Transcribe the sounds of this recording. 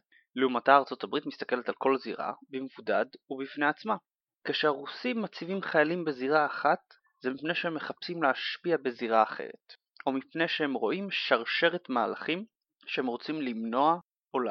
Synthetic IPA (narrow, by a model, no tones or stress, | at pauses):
liumataːʁt͡so̞tabʁitmist̪ḁke̞le̞talko̞lziʁa̰bimevudadubifne̞at͡sma | keʃeaʁusimːat͡sivimχajalimbe̞ziʁaːχat | z̥emipne̞jʃehemːe̞χapsimleaʃpiabe̞ziʁaːχe̞̰ʁḛt̪ | ʔo̞mipne̞jʃehemʁo̞ʔimʃaʁʃe̞ʁetmaːla̰χim | ʃehemʁo̞t͡simlimno̞a | ola